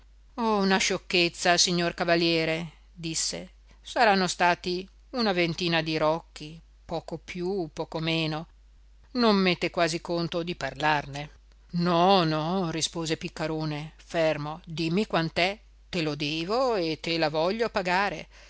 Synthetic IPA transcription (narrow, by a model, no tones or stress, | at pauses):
ɔunaʃokːet̪sːasiɲːorkavaljɛːɾe | d̪isːḛ | saɾanːost̪aːt̪i | unavent̪iːnad̪iɾɔkːi | pɔːkopjupːɔːkomeːno | nomːet̪ːekwaːzikont̪od̪iparlarne | nɔnɔrispoːzepikːaɾoːnefermod̪imːikwant̪ɛ | t̪elod̪ɛːvoet̪elavɔʎːopaɡaːɾe